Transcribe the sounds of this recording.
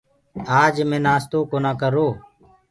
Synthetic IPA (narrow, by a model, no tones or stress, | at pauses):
aːd͡ʒmẽːnaːst̪oːkoːnaːkəɾoː